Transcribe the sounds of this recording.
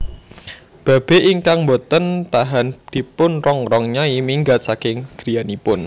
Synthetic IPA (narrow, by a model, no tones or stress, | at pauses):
b̥a̤b̥e̤ʔiŋkaŋmbot̪ənt̪aɦand̪̥i̤pʊnrɔŋrɔŋɲaimiŋɡat̪sakɪŋɡ̥ɾi̤janipʊn